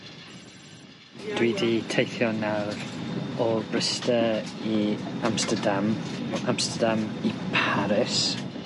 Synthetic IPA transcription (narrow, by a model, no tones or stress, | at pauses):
d̥widitʰejθjɔnawrɔbrəstəiamstədamamstədamipʰaɾɪs